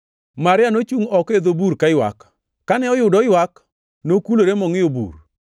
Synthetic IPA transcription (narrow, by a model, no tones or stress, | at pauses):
maɾɪanot͡ʃuŋɔked̪obuɾkaɪwa̰kː | anɛɔjʊdɔɪwak | nokuloɾemɔŋɪjobṵr